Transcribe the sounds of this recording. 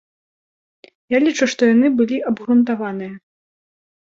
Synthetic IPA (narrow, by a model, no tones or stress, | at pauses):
jalʲit͡ʂuʂt̪ɔjanɨbɨlʲiʔɐbɣɾunt̪avanɨjɐ